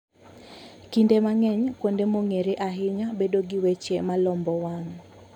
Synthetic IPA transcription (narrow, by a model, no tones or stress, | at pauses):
kindemaŋɛɲkwondemoŋeɾeʔaɦɪɲabedoɡɪwet͡ʃemalɔmbɔwaŋ